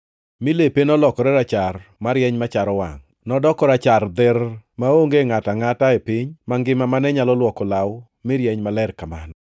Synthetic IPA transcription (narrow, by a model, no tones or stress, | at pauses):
mɪlepenɔlɔkɔɾɛɾat͡ʃarmaɾjɛɲmat͡ʃaɾɔwa̰ŋ | nɔdɔkɔɾat͡ʃard̪ɪrmaoŋɡeŋataŋataepɪɲmaŋɡɪmamanɛɲalɔlwɔkɔlaw | mɪɾjɛɲmalɛrkaman